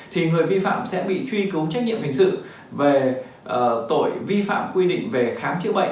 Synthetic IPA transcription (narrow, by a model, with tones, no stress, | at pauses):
t̪ʰi˨˩ŋɨ˨˩əjvi˧fa̰ː˧˨msɛ̰˧˥ɓḭ˧˨t͡ɕwi˧kɨ˨˦wt͡ɕa˦˥k̚ɲḭ˧˨əmhï˨˩ŋ̟sɨ̰˧˨ | ve˨˩ | ʔt̪o̰˧˩jvi˧fa̰ː˧˨mkwi˧ɗḭ̈˧˨ŋ̟ve˨˩xaː˨˦mt͡ɕɨ̰˧˥ɓə̰˧˨